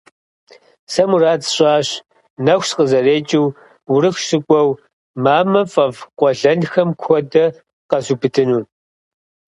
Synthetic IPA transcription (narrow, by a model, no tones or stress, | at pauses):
sɐmuraːt͡sɕʼɑːɕ | nɐxʷsqəzɐreːt͡ʃʼɪw | wʊɾɨxɕɪkʷʼɔw | maːmɐfʼɐvqʷɔɮɐnxɐmkʷʰɔdɐ | qɐzubɨtʰɨnuːn